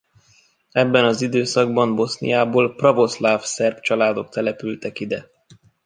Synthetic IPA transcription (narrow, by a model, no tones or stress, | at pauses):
ɛbːɛnɒzid̪øːsɒɡbɒmbo̞snḭjaːboːlprɒvo̞slaːfsɛrpt͡ʃɒlaːd̪o̞k̚t̪ɛlɛpylt̪ɛkid̪ɛ